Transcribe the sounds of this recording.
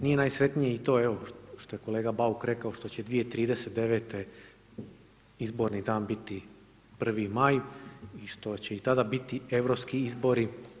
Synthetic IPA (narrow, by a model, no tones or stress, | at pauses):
nije̞naːjsɾe̞t̪nijeit̪o̞ːeʋo̞ʃt̪o̞je̞ko̞le̞ːɡabaukɾe̞kaoʃt̪o̞t͡ɕed̪ʋijet̪ɾiːd̪ese̞t̪̚d̪e̞ʋe̞t̪e | izbo̞ɾnid̪aːnbit̪i | pr̩ʋimajiʃt̪o̞t͡ɕeit̪ad̪abit̪ieʋɾo̞pskiizbo̞ɾi